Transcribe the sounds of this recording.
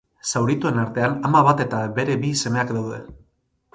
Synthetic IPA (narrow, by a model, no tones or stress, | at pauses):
sawɾit̪ue̞naɾt̪e̞anamaβat̪e̞t̪aβe̞ɾe̞βise̞me̞akd̪awðe̞